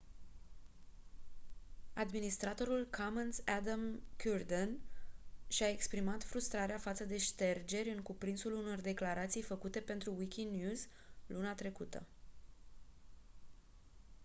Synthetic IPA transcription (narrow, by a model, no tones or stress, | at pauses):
ad̪minist̪ɾat̪o̞ɾulkʰamənsad̪amkʲurd̪en | ʃae̞kspɾimat̪fɾust̪ɾaɾeafat̪səd̪e̞ʃt̪e̞rd͡ʒe̞ɾʲɨŋkupɾinsuluno̞rd̪e̞klaɾat̪sijfəkut̪e̞pe̞nt̪ɾuwikʲinjuz | lunat̪ɾe̞kut̪ə̰